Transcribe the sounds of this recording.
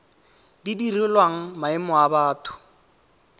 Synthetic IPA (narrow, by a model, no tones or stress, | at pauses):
didirʊlwaŋ̩maɪmɔabaːtʰʊ̥